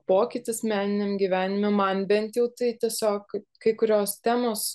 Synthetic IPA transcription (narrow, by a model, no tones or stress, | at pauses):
poːkʲɪt̪ʲɪsmʲæːnʲɪnʲemɡʲiʋʲæːnʲɪmʲʊmɐnbʲɛnʲt̪ʲjɛʊt̪ɐɪt̪ʲiɛsʲoːkkɐɪkʊɾʲoːst̪ʲæːmoːs